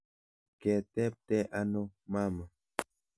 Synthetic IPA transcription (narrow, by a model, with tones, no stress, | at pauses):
ke˨t̪ɛ˦p̚t̪e˦ʔa˦no˦ma˦ma˨